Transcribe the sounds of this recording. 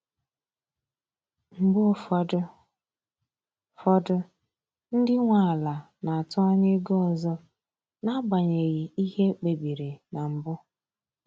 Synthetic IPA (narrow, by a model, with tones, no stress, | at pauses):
m̩˨bʊ˦ | fɔ˦dʊ˦ | n̩˦dɪ˦ŋʷa˨a˨la˨ | na˨a˨tɔ˦ɔ˦ɲe˦ɡɔ˦˨zɔ˦ | na˦ba˨ɲe˨ɣi˨i˦ɦe˦k͡pe˨bi˨ɾe˨na˨m̩˨bʊ˦